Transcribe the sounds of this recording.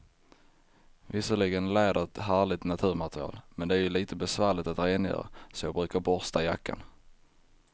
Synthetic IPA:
vɪsəɭɪɡənlɛːɖəɾɛt̪ɦæːɭɪt̪nat̪ʰʉ̟ːɾmat̪ɾɪɑ̰ːlmɛnd̪ɛæɾjɵliːt̪ʰəbɛsvæːɭɪt̪at̪ɾeːnjœ̰ːɾa̰sɔjɑːɡ̚bɾʉ̟ːkabɔɾst̪ajakːa̰n

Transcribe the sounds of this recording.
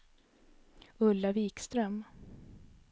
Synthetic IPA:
ɵlːaviːkst̪ɾœm

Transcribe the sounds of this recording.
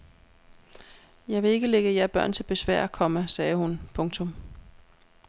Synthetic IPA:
jɑ̈ɪʋe̝e̝ɡ̥əleɡ̥əjæɐb̥ɶɐ̰nt͡sʰe̝lb̥e̝sʋæɐ̰ækʰɒ̽məsɛːhunpʰɔ̽ŋt͡sʰom

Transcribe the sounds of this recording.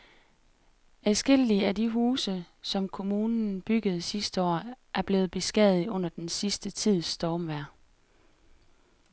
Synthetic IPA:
æsɡ̥e̝l̰iəædiɦuːsə | sɒ̽mkʰo̝muːnn̩b̥yɡ̥əð̞̩ˠsisd̥əɒ̰ːʔæɐb̥le̝ːð̩ˠb̥e̝sɡ̥ɛð̩ˠɔ̽n̰ɐd̥ensisd̥ət͡sʰið̰ˠsd̥ɒːmʋæɐ̰

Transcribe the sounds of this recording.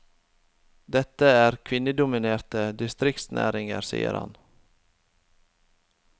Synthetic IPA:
d̪ɛt̪ːəæːɾkʰʋɪnːəd̪ʊmɪneːɾt̪əd̪ɪst̪ɾɪk̚t̪snʔæ̰ːɾɪŋəɾsḭːə̰ɾhɑ̰n

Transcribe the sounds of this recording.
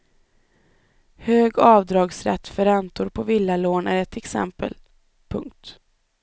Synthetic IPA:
høːɡɑːvd̪ɾɑːɡsɾɛ̰t̪ːfœɾɛnt̪ʊɾpʰɔvɪlːaloːnæɾɛt̪ʰɛksɛ̰mpə̰l | pʰɵŋk̚t̪

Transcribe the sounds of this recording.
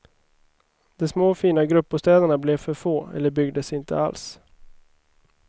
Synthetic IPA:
d̪̥ɔsmoːfiːnaɡɾɵpːʊst̪ɛːd̪əɳablɛvfœɾfoːɛ̰lːəɾbʏɡd̪əsɪnt̪ʰə̰a̰ls

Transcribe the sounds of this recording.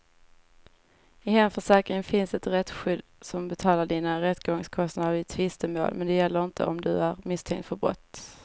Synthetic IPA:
ɪhɛnfœʂɛːkɾɪŋfɪnsɛt̪ɾɛt̪ːɧʏd̪sɔmbɛt̪ʰɑːlaɖiːnaɾɛt̪ːɡɔŋskʰɔst̪nad̪əɾɪt̪ʰvɪst̪əmo̰ːlmɛnd̪ɛjɛlːəɾɪnt̪ʰə̰ɔmd̪ɵ̰æɾmɪst̪ʰɛŋkt̪fœɾbɾɔ̰t̪ː

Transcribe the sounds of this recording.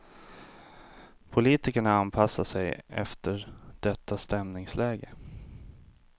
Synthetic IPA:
pʰʊliːt̪ɪkəɳaanpʰasːaʂɛjɛ̰ft̪əɾɖ̥ɛt̪ʰːast̪ɛmnɪŋslɛːɡə

